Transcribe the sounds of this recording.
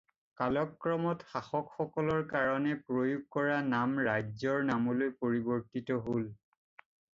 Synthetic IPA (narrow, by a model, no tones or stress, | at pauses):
kalɔkːɹɔmɔtxaxɔkxɔkɔlɔɹkaɹɔnɛpɹojuɡ̚kɔɹanamɹajzɔɹnamɔlojpoɹibɔɹtitɔɦol